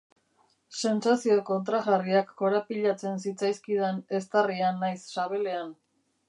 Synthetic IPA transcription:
se̞nsasio̞ko̞nt̪ɾaɣariakːo̞ɾapiʎat͡se̞nsit͡sajskiðene̞st̪arianːajsːaβe̞le̞an

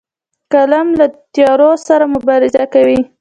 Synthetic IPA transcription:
kalamlat̪jɑɾosaɾamʊbɑɾɪzakawi

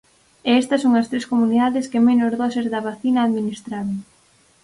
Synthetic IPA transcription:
ɛɛst̪ɐsoŋɐst̪ɾeskomuniðaðɪskemenozðɔsezðɐβaθinɐːðminist̪ɾaɾoŋ

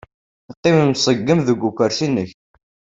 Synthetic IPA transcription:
qːɪməmsˤəɡːəmðəɡʷːukʷːəɾθinːəç

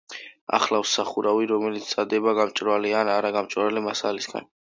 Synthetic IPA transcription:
a̰χlafsːaχuɾaviɾɔmɛlit̪st̪sʼad̪ɛbaɡamt͡ʃʼɾvalianaɾaɡamt͡ʃʼvalimasalisɡa̰n

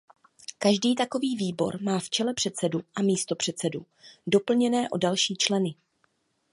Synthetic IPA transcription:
kaʒdiːt̪ako̞viːviːbo̞̰ɾmaːft͡ʃɛlɛpr̝̥ɛt̪t͡sɛduʔamiːst̪o̞pr̥ɛt̪t͡sɛdu | do̞pl̩ɲɛnɛːʔo̞̰dalʃiːt͡ʃlɛnɪ

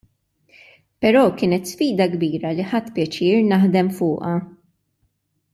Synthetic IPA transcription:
pɛɾɔːkɪːnɛt̪sfiːd̪ɐɡbiːɾɐliħɐt̪ːpjɛt͡ʃɪːɾnɐħd̪ɛmfʊːʔɐ

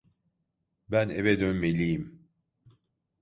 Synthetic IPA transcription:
bænevɛd̪ønmelʲijim

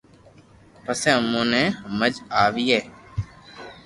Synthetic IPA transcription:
pəsɛ̃ːmũːnɛ̃ːməd͡ʒaːʋiːɛː

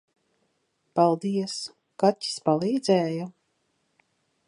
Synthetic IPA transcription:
palˠd̪iɛs | katʲːi̥spalˠiːd̪zɛːja

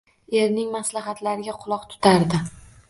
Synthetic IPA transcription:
e̞ɾnɪŋmaslaɦat̪laɾɪɡʲaqʰʊlˠɒqt̪ʰʊ̥t̪ʰaɾd̪ɪ

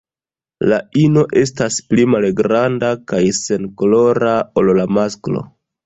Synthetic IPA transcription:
laino̞ʔe̞s̬tasplimalɡɾandakajse̞nkolo̞ɾaollamasklo̞̰

